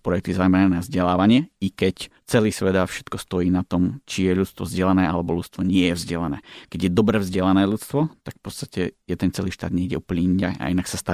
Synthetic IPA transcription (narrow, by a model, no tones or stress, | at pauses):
pɾɔjɛk̚t̪izaːmɛnɛnavzɟɛlaːʋaɲɪɛikɛc | t͡sɛliːsʋɛd̪afʃɛ̥t̪kɔst̪ɔjiːnat̪ɔmt͡ʃijɛʎut͡st̪ʋɔ̰vzɟɛlanɛːʔalɛbɔʎut͡st̪ʋɔɲɪɛjɛvzɟɛlanɛ̰ːkɛɟjɛd̪ɔbɾɛːvzɟɛlanɛːʎut͡st̪ʋɔt̪akfpɔt͡sst̪acɛjɛd̪ɛnt͡sɛliːʃt̪a̰ːd̪ɲɛiɟɛuplɲiɲa̰a̰inaksast̪a